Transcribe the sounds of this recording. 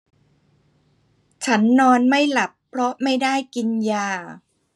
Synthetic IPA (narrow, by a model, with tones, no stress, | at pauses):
t͡ɕʰa˦˥nːɔː˧nma˥˩jla˨˩pʰːɾɔ˦˥ma˥˩jdaː˥˩jki˧njaː˧˩